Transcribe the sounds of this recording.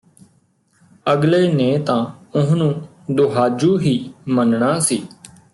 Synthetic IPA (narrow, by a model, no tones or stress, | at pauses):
əɡleːnẽːt̪ãːʊɦnũː | d̪oɦaːd͡ʒuːɦiːmənɳaːsiː